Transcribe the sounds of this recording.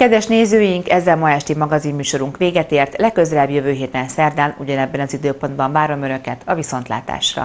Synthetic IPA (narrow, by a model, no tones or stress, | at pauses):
kɛd̪vɛʃneːzøːjiŋkɛzːɛlmɒɛʃt̪imɒɡɒzimːyːʃo̞ɾuŋkʋeːɡɛt̪eːrt̪lɛkːøzɛlɛbjøvøːɦeːt̪ɛnsɛrd̪aːnuɟɒnɛbːɛnɒzid̪øːpo̞nd̪bɒɱvaːɾo̞mø̞nø̞kɛt̪ɒviso̞nt̪la̰ːt̪a̰ːʃrɒ̰